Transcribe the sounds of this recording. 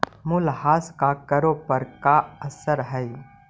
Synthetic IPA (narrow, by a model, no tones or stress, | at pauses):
mʊlhaːskakɐɾopəɾkaɐsəɾɦɛj